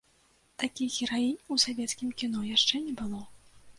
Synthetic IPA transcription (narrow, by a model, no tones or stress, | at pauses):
t̪akʲiɣʲɛɾajinʲusavʲɛt̪skʲimkʲinɔjaʂt͡ʂɛnʲɛbɨlˠɔ